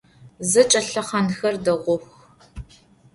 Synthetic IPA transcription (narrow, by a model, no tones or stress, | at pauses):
zɨt͡ʃʼɐɬɐχɐnxɐrdɐʁʷʊxʷ